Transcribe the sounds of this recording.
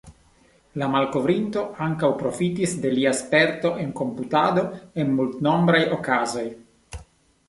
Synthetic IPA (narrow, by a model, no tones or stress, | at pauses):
lamalko̞vɾinto̞aŋkawpɾo̞fitisde̞liaspe̞ɾto̞ʔe̞nko̞mputado̞e̞nmultno̞mbɾajo̞kazo̞j